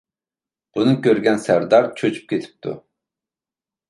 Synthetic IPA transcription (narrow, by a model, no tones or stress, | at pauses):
b̥unɨŋkʲøɾɡʲɛnsæɾd̪ɑɾt͡ʃʰøt͡ʃʰy̥p̚kʲʰet̪ʰɪ̥p̚t̪ʰṵ